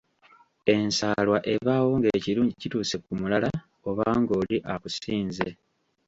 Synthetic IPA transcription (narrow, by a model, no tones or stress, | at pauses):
e̞nsaːlwaʔe̞βaːwo̞ŋɡeːciɾuːɲɟicituːse̞kumulala | o̞βaːŋɡo̞ːliʔakusiːnze